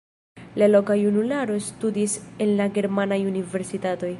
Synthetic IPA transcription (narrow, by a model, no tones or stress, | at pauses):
lalo̞kajunulaɾo̞studise̞nlaɡe̞ɾmanajunive̞ɾsitato̞j